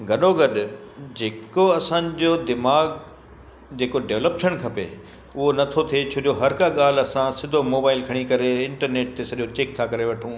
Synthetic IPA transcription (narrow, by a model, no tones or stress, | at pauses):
ɡʱɐɗoɡɐɗd͡ʑeːkoɐsãːd͡ʑod̪ɪmaːɡ | d͡ʑeːkoɖeːʋləpʃəɽ̃kʰɐpḛ | ʊɦonɐt̪ʰot̪ʰiet͡ɕʰoːd͡ʑoɦɐɾkaɠaːl̤ɐsãsɪd̪ʱomoːbaːɪlkʰɐɽ̃ikɐɾeɪ̃ɳʈəɾneːʈ̚t̪esɐʄot͡ɕeːk̚t̪ʰakɐɾeʋɐʈʰũː